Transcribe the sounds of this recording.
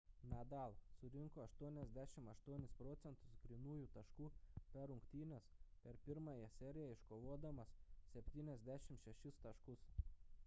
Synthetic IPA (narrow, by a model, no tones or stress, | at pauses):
nʲæd̪ɑlˠsʊɾʲɪŋkoːɐʃt̪uɔnʲɛzʲd̪ʲæːʃʲɪmɐʃt̪uɔnʲɪspɾɔt̪sʲɛnt̪ʊ̥sɡɾʲɪnuːjuːt̪ɐʃkuːpʲɛɾʊŋkt̪ʲiːnʲospʲɛɾpʲɪɾmɑjɛsʲɛɾʲɪjɛɪʃkoːʋoːd̪ɐmɐssʲɛpʲt̪ʲiːnʲɛzʲd̪ʲæːʃʲɪmʃʲɛʃʲɪst̪ɐʃkʊs